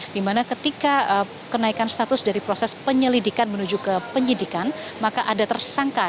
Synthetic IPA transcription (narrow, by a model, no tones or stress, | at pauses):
dimanakət̪ikaə | kənaikanst̪at̪ʊsdaɾipɾosɛspəɲəlidikanmənud͡ʒukəpəɲlidikanmakaʔadat̪ərsaŋka